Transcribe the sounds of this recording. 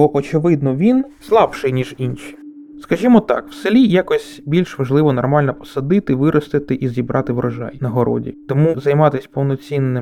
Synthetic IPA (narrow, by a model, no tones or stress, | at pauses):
bɔʔɔt͡ʃɪʋɪd̪nɔʋʲinslˠɑbʃɪjnʲiʒinʃi̥ | skɐʒimɔt̪ɑ̰kw̥sɪlʲijakɔsʲbʲilʲʃʋɐʒlˠɪʋɔnɔrmɑlʲnɔpɔ̥sɐd̪ɪt̪ɪʋɪɾʔɔst̪ɪt̪ɪʔizʲibɾʔɑt̪ɪʋɾʔɔʒɑ̰jnɐɦɔɾɔ̰dʲḭt̪ɔmuzɐjmɑt̪ɪsʲpɔwnɔt͡sʲinːɪm